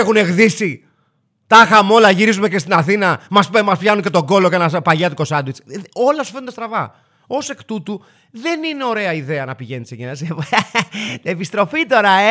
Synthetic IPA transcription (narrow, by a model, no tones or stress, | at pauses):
xune̞ɣðisi | t̪ɐxɐmo̞lɐʝiɾizumece̞st̪inɐθinɐmɐsemɐspçɐnuɲce̞t̪o̞ɡo̞lo̞cenɐpɐʎɐt̪uko̞sɐd̪wit͡so̞lɐsu̥fent̪ɐst̪ɾɐvɐ | o̞se̞kt̪ut̪u | ðe̞nine̞o̞ɾe̞ɐiðe̞ɐnɐpiʝe̞niseʝenɐse | epist̪ɾo̞fit̪o̞ɾɐe